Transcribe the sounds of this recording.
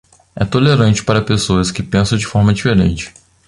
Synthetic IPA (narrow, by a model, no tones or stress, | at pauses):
ɛ̰t̪oleɾɐ̃nt͡ʃɪ̥paɾɐpesoɐskɪpẽsɐ̃d͡ʒɪfɔɾmɐd͡ʒifeɾḛ̃nt͡ʃɪ̥